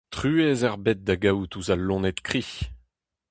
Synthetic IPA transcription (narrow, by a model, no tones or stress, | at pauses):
t̪χyːezaʁbɛt̪̚d̪aɡawt̪uzalːɔ̃nɛt̪kχiç